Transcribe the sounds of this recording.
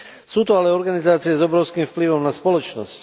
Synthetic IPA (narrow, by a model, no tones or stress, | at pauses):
suːt̪ɔalɛɔɾɡanizaːt͡siɛzɔbɾɔʊskiːmfpliʋɔmnaspɔlɔt͡ʃnɔ̰sc